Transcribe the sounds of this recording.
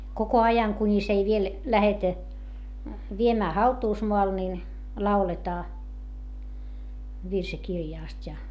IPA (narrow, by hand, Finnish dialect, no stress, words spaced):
koko ɑjɑŋ kunʲis ei ʋiel læhetæ ʋiemæː hɑutuːsmoɑl nin lɑuletɑː ʋirsikirjɑˑstʲ jɑ